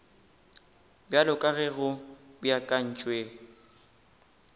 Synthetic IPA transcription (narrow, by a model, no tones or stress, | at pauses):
bjalʊkʼaɣɛɣʊbʊjakʼan̩t͡ʃʼweːŋ̩